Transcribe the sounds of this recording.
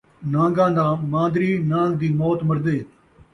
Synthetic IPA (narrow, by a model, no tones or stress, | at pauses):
nãːŋɡãːd̪aːmãːnd̪ɾiːnãːɡd̪iːmɔːt̪məɾd̪eː